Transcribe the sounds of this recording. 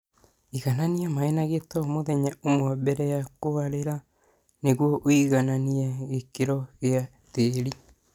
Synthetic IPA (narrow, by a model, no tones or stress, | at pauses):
iɣananiɛmaenaɣetɔmoðɛɲaomwɔbɛɾɛjakoaɾeɾa | neɣwoʔoiɣananiɛɣekeɾɔɣea | teɾi